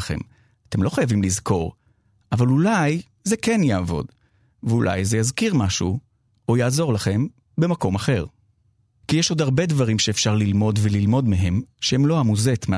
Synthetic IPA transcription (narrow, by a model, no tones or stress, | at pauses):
χe̞̰m | ate̞mlo̞χajavimlizko̞ʁ | ʔavalulaj | zekenjaːvo̞̰d | veulʔa̰jzejazkiʁmaʃṵ | ojaːzo̞ʁlaχe̞m | be̞mako̞maχe̞ʁ | kijeʃo̞daʁbe̞dvaʁimʃeːfʃaʁlilmo̞dvelilmo̞dmeɦe̞mʃehemlo̞amuzet̪me